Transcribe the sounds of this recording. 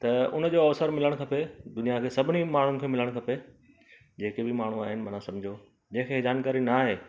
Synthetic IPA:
t̪ɐʊnəd͡ʑoːɐʋsəɾmɪləɽ̃kʰɐped̪ʊnijakʰeːsɐbʱɪnimaːɳ̤ʊnɪ̆kʰeːmɪləɽ̃kʰɐpe | d͡ʑeːkebɪmaːɳ̤uaːɦɪnɪ̆mɐnãsɐ̃md͡ʑʱo | d͡ʑẽːkʰeed͡ʑaːnkaːɾinaːɦeː

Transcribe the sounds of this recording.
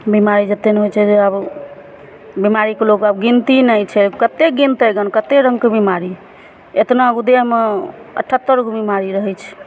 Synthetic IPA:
bimaɾid͡ʒət̪eneɦot͡ʃʰɛd͡ʒeab | bimaɾikeloɡabɡint̪inəjt͡ʃʰɛkət̪eɡint̪əjɡənkət̪eɾə̃ŋɡkebimaɾi | et̪naəɡud̪eɦmeə̰ʈʰːət̪ːəɾɡubimaɾiɾəɦɛt͡ʃʰ

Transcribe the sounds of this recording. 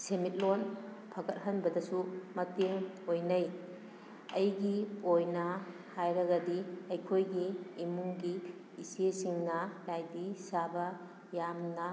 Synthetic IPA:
semit̚lon | pʰɐɡɐt̚ɦɐnbɐdɐsumɐteŋ | ojnɐj | ɐjɡiojnɐ | hajɾɐɡɐdiɐjkʰojɡiːmuŋɡiː | siesiŋnɐlajdisabɐ | jamnɐ

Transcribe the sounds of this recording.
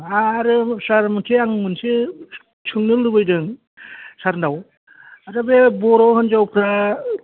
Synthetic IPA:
aɾɯsaɾmɯtʰeaŋmɯnse | t͡ʃʰɯŋnɯlɯbɯjdɯŋ | saɾnaw | aɾabebɔɾawhɯnzawpʰɾa

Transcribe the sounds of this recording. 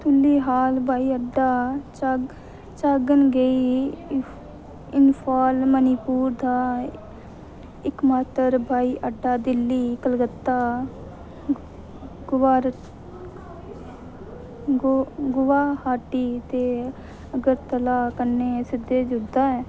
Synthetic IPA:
t̪ʰʊlːiːɦaːlbʱaːiːəɖaː | t͡ʃaːɡənɡəiː | ɪnpʰaːlməniːpuːɾd̪aː | ɪkmaːt̪əɾbʱaːiːʔəɖːaːd̪ɪlːiːkəlɡət̪ːaː | ɡʊʋaːɾ | ɡɡʊʋaːhaːʈiːt̪eː | əɡəɾt̪əlaːkəneːsɪd̪ːeːd͡ʒʊd̪aːɛː

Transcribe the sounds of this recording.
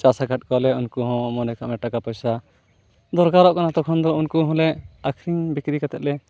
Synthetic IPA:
t͡ʃasaɡʱat̚ˀkɔlɛunkuɦɔ̃mɔnɛkʰa̰ʔmɛʈakapɔjsa | d̪ɔɾkaɾɔʔkanat̪ɔkʰɔnd̪ɔunkuɦɔ̃lɛakʰɾiŋbikɾikat̪ɛt̪̚lɛ

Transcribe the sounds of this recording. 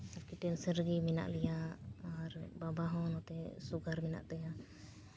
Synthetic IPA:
akiʈɛlsəɾɡimina̰ʔlɛjaː | ɾbabaɦɔnɔt̪ɛsuɡaɾmina̰ʔt̪ɛja

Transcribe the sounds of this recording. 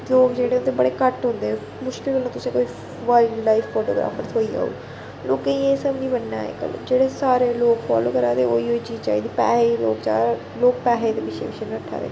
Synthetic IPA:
loːkd͡ʒeːɽeːnt̪ebəɽeːkəʈɦʊ̃nd̪eː | mʊʃkɪlkəlnaːt̪ʊsẽːkoːiː | ʋaɪlɖlaifːoːʈoːɡɾa̰ːpʰəɾt̪ʰoːiːa̰ːo̰iː | loːkːẽieːsəbnĩːbənːa̰ːḛːkə̰l̰d͡ʒeːɽeːsaːɾeːloːkfa̰ːlo̰ːkəɾãːt̪eoːioːid͡ʒiːt͡ʃa̰ːiːd̪iːpɛːɦeilo̰ːkd͡ʒa̰ː | loːk̚pɛːɦeːd̪eːpɪt͡ʃʰḛːʋɪt͡ʃʰeːnəʈʰːa̰ːʋḛː

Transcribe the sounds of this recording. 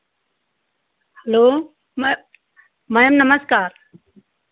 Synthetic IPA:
hɛloː | mɐjəmnɐməskaːɾ

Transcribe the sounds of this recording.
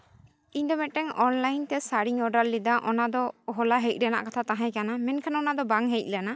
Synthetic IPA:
iɲd̪ɔmɛʈɛŋɔnlajnt̪ɛsaɽiŋɔɖalːid̪aʔɔnad̪ɔɦɔlaɦɛjc̚ˀɾɛna̰ʔkat̪ʰat̪aɦãjkanamɛnkʰanɔnad̪ɔbaŋɦɛjc̚ˀlana

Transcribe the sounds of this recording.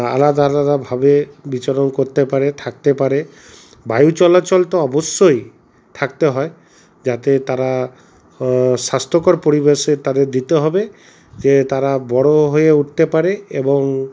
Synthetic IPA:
a̰lad̪alad̪abʱabebit͡ʃɔɾɔnkoɾt̪epaɾet̪ʰakt̪epaɾe | bajut͡ʃɔlat͡ʃɔlt̪ɔɔbɔsjoj | t̪ʰakt̪eɦɔe | d͡ʒat̪et̪aɾa | sast̪ɔkɔɾpoɾibeset̪ad̪eɾd̪it̪eɦɔbe | d͡ʒet̪aɾabɔɽoɦojeuʈ̚ʰt̪epaɾeebɔŋ

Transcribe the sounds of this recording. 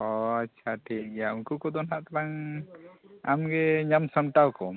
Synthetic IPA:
ɔatːt͡ʃʰaʈʰik̚ɡjaunkukɔd̪ɔnɦaʔt̪aɾaŋ | a̰mɡɛɲamsɔnʈawkɔ

